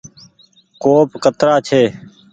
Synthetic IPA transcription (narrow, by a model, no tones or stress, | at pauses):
koːpkət̪ɾaːt͡ʃʰeː